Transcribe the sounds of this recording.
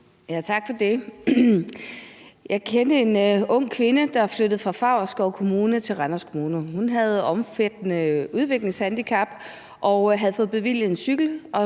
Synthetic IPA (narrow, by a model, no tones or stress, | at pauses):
jæt͡sʰɑ̈ɡ̥fɒ̽d̥e̝ | jɑ̈ɪkʰend̥əe̝nɔ̽ŋ̰kʰʋe̝nəd̥ɑ̈flød̥ð̩ˠfʁɑ̈fɑ̈ʊ̰sɡ̥ɒʊkʰo̝muːnət͡sʰe̝lʁɑnɐskʰo̝muːnohunɦæð̞ˠɒ̽mfed̥nəuð̞ˠʋe̝ɡ̥le̝ŋshænd̥ikʰɑ̈b̥ | ʔɒ̽ʊɦæð̞̩ˠfɔ̽ːð̩ˠb̥e̝ʋil̰j̩ˠe̝nsyɡ̥l̩ʔɒ̽